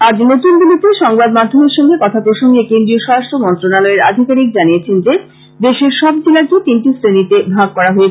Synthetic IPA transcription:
ad͡ʑnot̪unbilit̪eʃɔŋbad̪mad̪ʱːomeɾʃɔŋɡekɔt̪ʰapɾoʃoŋɡekend̪ɾioʃɔɾasʈɾomɔnt̪ɾonalɔeɾad̪ʱikaɾik̚d͡ʑaniet͡ɕʰend͡ʑe | d̪eʃeɾʃɔbd͡ʑilait̪inʈisɾenit̪ebʱaɡ̚kɔɾaɦoet͡ɕʰ

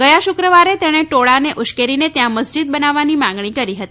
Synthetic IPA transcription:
ɡəjaʃʊkɾəʋaɾet̪eɽ̃eʈoɭaneʔʊʃkeɾinet̪jãməsd͡ʒid̪̚bənaʋːanimãŋɡɳikəɾiɦət̪i

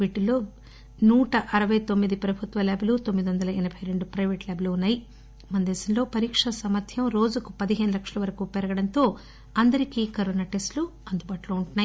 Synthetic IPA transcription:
ʋiːʈuloː | nuːʈɐʔɐɾɐʋɐjt̪omːid̪ipɾɐbʱut̪ʋɐlebelut̪omːid̪iʋɐnd̪ɐlɐɛnɐbʱɐjɾe̞ɳɖupɾɐjʋeːʈlebeluunːaːji | mɐnd̪eːsɐnlo̞ːpɐɾiːkʂɐsɐmɐt̪ʰjɐmɾo̞ːd͡ʒuku̥pɐd̪iɦe̞ːnulɐkʂɐlɐʋɐɾɐkupɛɾɐɡɐɽɐnt̪o̞ː | ɐnd̪ɐɾikikɐɾoːnaʈesʈluɐnd̪ubaːʈulo̞ːuɳʈunːaːji

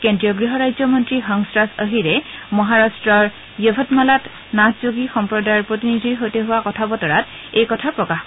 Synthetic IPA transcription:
kendɹijɔɡɹiɦɔɹajzɔmɔntɹixɔŋsɹasəɦiɹɛmɔɦaɹastɹɔɹ | jobʱɔtmalat | naszoɡixɔmpɹɔdajɔɹpɹot̬inidʱiɹɦojteɦʊwakɔtʰabɔtɔɹat | ejkɔtʰapɹɔkax

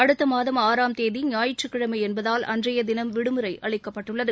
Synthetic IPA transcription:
ɐɽɯt̪ːɐmaːðɐmaːɾaːmt̪eːðiɲaːjɪʈ̚t͡ʃːɯkːɪɽɐmɐɪɛnbɐðaːlɐ̰ndrɐjɐd̪ɪnɐmʋɪɽɯmɯɾɐɪʔɐɭɪkːɐpːɐʈːɯɭːɐðɯ

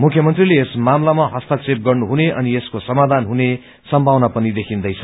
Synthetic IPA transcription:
mukʰjʌmʌnt̪rileːsmamlamaɦʌst̪ʌt͡sep̚ɡʌrnuɦuneʔʌnieskosʌmad̪ʱanɦune | sʌmbʱawnapʌnid̪ekʰind̪ʌjt͡sʰʌ

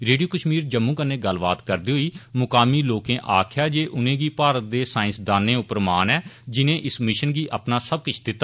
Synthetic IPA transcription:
ɾeːɖijoːkəʃmiːɾd͡ʒəmːũːkənːẽːɡəlba̰ːt̪kəɾd̪iːɦoiːmʊkaːmiːloːkẽːʔaːkʰjaːd͡ʒeːʔʊnẽːɡiːpaːɾət̪̚d̪eːsaːɪ̃nsd̪aːnẽːʊpɾmaːnɛːd͡ʒɪnẽːʔɪsmɪʃənɡiːʔəpnaːsəb̚kʊt͡ʃʰd̪ɪt̪ːaː

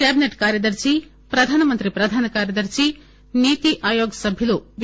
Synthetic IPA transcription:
kɛːbineʈkaːɾjɐd̪ɐɾt͡ʃi | pɾɐd̪ʱaːnɐmɐnt̪ɾipɾɐd̪ʱaːnɐkaːɾjɐd̪ɐɾt͡ʃi | niːt̪iʔaːjoːɡsɐbʱjɐluʋ

